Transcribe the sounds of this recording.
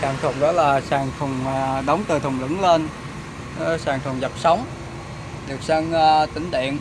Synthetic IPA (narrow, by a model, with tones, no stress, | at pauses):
kaː˧˩mt̪ʰə̰˨˩ŋ͡mɗɔ̰ː˨˦laː˨˩saː˧˩ŋt̪ʰʊ˨˩ŋ͡mɗə˨˦wŋ͡mt̪ɨ˨˩t̪ʰʊ˨˩wŋ͡mlɨ̰˧˥ŋle˧n˧ | saː˨˩ŋt̪ʰʊ˨˩ŋ͡mzə˨˩p̚sa˨˦wŋ͡m | ɗɨ˨˩k̚sa˧ŋː˧t̪ï˨˦ŋ̟ɗḭ˧˨ən